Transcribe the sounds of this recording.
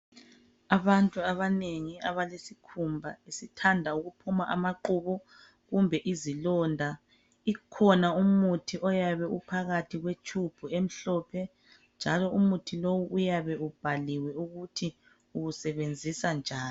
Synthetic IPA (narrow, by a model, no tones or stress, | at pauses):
aβantʼuaβaneŋiaβalesikʰumbʱaesitʰandʱauɣupʰumaʔamaǃuβɔ | ɣumbʱɛʔizilɔːndʱa | ikʰɔnaumutʰiʔɔjaβɛupʰaɣatʰiɣwet͡ʃʰʼub̥ʱuem̩ɬɔpʰɛ | nd͡ʒʱalɔumutʰilowuʔːjaβɛub̥ʱaliwɛuɣutʰi | uɣusɛβend͡zʱisand͡ʒʱaːni